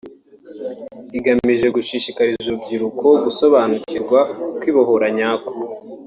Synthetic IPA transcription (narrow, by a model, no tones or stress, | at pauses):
iɡamiʒe̞ɡuʃiʃikaɾizubɟiɾukʰo̞ɡuso̞βanuciɾɡwakwiːβoɦoɾaɲaːku